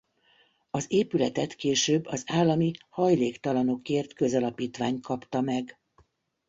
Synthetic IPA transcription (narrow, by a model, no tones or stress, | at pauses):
ɒzeːpylɛt̪ɛt̪keːʃøːbːɒzaːlːɒmihɒjleːkt̪ɒlɒno̞keːrt̪kø̞zɒlɒpiːt̪ʋaːɲt̪kɒpt̪ɒmɛɡ